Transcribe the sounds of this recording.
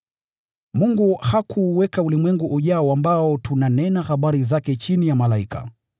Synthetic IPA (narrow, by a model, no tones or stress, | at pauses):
muŋɡuhakʰuwɛkaulimwɛŋɡuʔuʄaɔambaɔtunanɛnaxaɓaɾizakɛt͡ʃinijamalaika̰